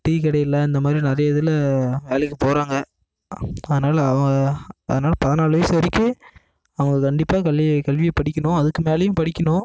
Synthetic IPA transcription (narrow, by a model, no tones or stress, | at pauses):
ʈiːkɪɽɐjɪlːɐɪnd̪ɐmaːd̪ɾinɪɾɐjɐɪðɪlɐʋeːlɛkːɯpoːɾaːŋɡɐ | ɐðɐnaːlɐːʋɐŋɡɐɐðɐnaːlɐpɐðɐnaːlʋesɐɾɪkːɯ | ɐʋɐŋɡɐkɐɳɖɪpːaːkɐɭɪkɐlʋɪjɐpɐɽɪkːɐnʊ̃ɐðɯkːɯmeːlɐjɯ̃mpɐɽɪkʲːɐnʊ̃